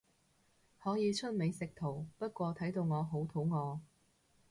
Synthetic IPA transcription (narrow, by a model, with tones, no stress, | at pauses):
hɔː˨˥jiː˨˧t͡ʃʰɵ˥t̚me˨˧jsɪ˨k̚t̪ʰo˨˩wpɐ˥t̚kʷɔː˧t̪ʰɐ˨˥jt̪o˧wŋɔː˨˧ɦo˨˥wt̪ʰo˨˧˥wŋɔː˨˧